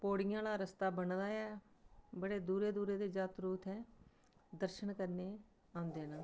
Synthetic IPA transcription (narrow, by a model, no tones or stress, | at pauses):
poːɽɪjãːlaːɾəst̪aːbəɳd̪aːɛː | bəɽeːd̪uːɾeːd̪uːɾeːd̪eːd͡ʒaːt̪ɾuːt̪ʰɛː | d̪əɾʃənkəɾneː | ãːnd̪eːnãː